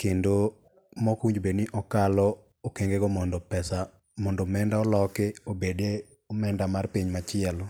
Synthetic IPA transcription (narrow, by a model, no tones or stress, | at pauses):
kendo | mɔkiɲd͡ʒbeniʔɔkalɔ | okeŋɡeɡomɔndɔpɛsa | mɔndɔmɛndaɔlɔkɪobede | ɔmɛndamarpiɲmat͡ʃɪɛl